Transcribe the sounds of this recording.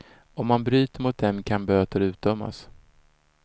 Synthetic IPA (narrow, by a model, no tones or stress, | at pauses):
ɔmːanbɾyːt̪əɾmʊt̪̚d̪ɛmkʰanbøːt̪əɾʉ̟ːt̪̚d̪œmːa̰s